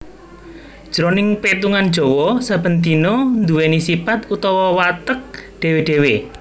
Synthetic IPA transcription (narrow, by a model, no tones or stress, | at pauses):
d̥ʒ̥ɾonɪŋpet̪uŋan̥ʒ̥ɔ̤wɔsab̥ə̤nt̪inɔnd̪uwenisipat̪ut̪ɔwɔwat̪ək̚ɖ̥e̤weɖ̥e̤we